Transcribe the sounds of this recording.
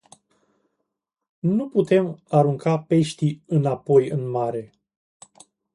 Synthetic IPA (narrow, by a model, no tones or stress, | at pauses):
nuput̪e̞maɾuŋkʰape̞ʃt̪iɨnapo̞jɨnmaɾe̞